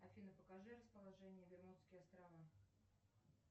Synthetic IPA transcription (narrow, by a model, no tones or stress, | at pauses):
ɐfʲinəpəkɐʐɨɾəspəlˠɐʐɛnʲɪjəvʲɪrmut̪skʲɪjɐst̪ɾɐva